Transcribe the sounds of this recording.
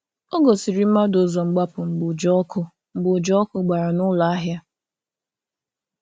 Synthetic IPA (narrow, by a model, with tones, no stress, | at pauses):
o˦ɡo˨si˨ɾi˨m̩˦ma˦dʊ˦zɔ˨ŋ͡m̩˨ɡ͡ba˦pʊ˨ŋ͡m̩˨ɡ͡bʊ˨d͡ʒɔ˦kʰʊ˦ | ŋ͡m̩˨ɡ͡bʊ˨d͡ʒɔ˦kʊ˦ɡ͡ba˨ɾa˨nʊ˦la˨a˦ɦja˦